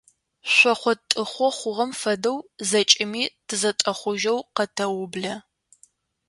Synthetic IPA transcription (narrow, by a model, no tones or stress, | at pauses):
ɕʷɔχʷɔtʼɨχʷɔχʷʊʁɐmfɐdɐwzɐt͡ʃʼɪmiːtʰɨzɐtʼɐχʷʊʒɐwqɐtʰɐwʊbɮɐ